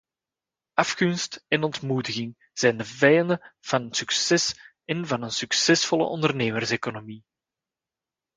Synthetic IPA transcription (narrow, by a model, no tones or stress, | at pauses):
ɑfkɵnstɛnɔntmuːdəɣɪŋ | z̥ɛjndəvɛjɑndəv̥ɑnənsyksɛs | ɛnvɑnənsyksɛsfɔlə̰ʔɔndərneːmərseːkonomi